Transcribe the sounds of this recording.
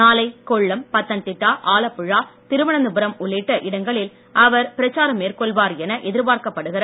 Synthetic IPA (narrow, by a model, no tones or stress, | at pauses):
naːlɐɪkɔɭːɐmpɐt̪ːɐnt̪ɪʈːaːʔaːlɐpːɯɻaːt̪ɪɾɯʋɐɳɐnd̪ɯbɯɾɐmʊɭːɪʈːɐʔɪɽɐŋɡɐɭɪl | ɐʋɐɾpɪɾɐt͡ʃːaːɾɐmːeːɾkɔɭʋaːɾɛnɐʔɛðɪɾpaːɾkɐpːɐɽɯɣɪɾɐ